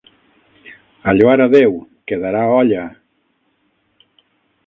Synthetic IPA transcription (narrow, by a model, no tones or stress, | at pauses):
aʎwaɾaðewkeðaɾaɔʎa